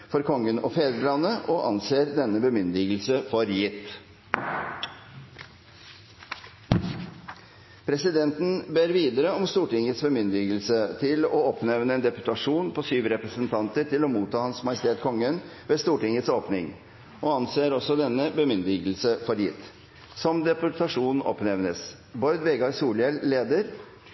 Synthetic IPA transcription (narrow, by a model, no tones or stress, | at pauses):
fɔɾkʰɔŋːənɔfeːd̪əɾɭɑnːəʔɔʔɑ̰nseːɾd̪ɛnːəbəmʏnd̪ɪɡlsəfɔɾjɪt̪ː | pʰɾɛsɪd̪ɛnt̪n̩beːɾʋiːd̪əɾəɔmst̪uːʈɪŋət̪sbəmʏnd̪ɪɡəlsət̪ʰɪlɔɔpnɛʋnəɛːnd̪ɛpʉ̥t̪ɑʂuːnpʰɔsyːʋɾɛpɾəsənt̪ʰɑnt̪əɾʈɪlɔmuːt̪ʰɑːhɑnsmɑjɪst̪ʰeːt̪kʰɔŋːənʋeːst̪uːʈɪŋət̪soːpnɪŋ | ʔoːɑnseːɾɔsɔd̪ɛnːəbəmʏnd̪ɪɡl̩səfɔɾjɪ̰t̪ | sɔmd̪ɛpʊʈ̪ʰɑʂuːnn̩ʔɔ̰pnɛʋnəs | bɔʏd̪ʋeːɡɑɾsuːlɛlːeːd̪əɾ